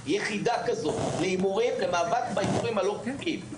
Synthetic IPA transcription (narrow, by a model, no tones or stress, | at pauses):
jeχid̪akazo̞tleimuʁimlemaːvaktbaimuʁimhalo̞pukim